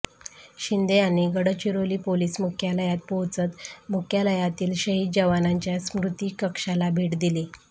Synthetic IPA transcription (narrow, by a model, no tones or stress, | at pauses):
ɕind̪eañiɡəɽət͡ɕiɾoliːpoliːsmukʰjaləjat̪̚powt͡sət̪mukʰjaləjat̪iːlɕəɦiːt̪̚d͡ʑəʋanaɲt͡ɕjasmɾut̪ikəkʂalabʱeʈd̪ili